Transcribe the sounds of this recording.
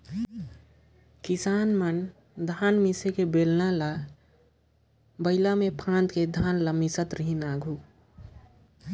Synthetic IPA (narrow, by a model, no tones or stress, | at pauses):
kɪsaːnmən | d̪ʱaːnmisekebeːlnala | bəɪlamepʰãːnd̪ked̪ʱaːnləmisət̪ɾiɦinaːɡʱuː